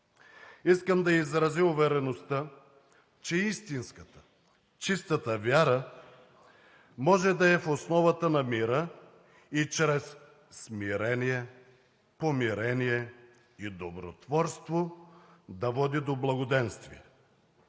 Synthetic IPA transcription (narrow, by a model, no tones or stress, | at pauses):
iskəmd̪ɐizɾɐziuvɛɾɛnost̪ə | t͡ʃɛist̪inskət̪ə̥ | t͡ʃist̪ət̪əvʲjaɾə | mɔʒɛd̪ɐɛfosnɔvɐt̪ənɐmiɾə | it͡ʃɾɛs | smiɾɛniɛ | pomiɾɛnijɛ | id̪obɾo̰t̪vɔɾst̪vo | d̪ɐvɔd̪id̪oblˠɐɡod̪ɛnst̪viɛ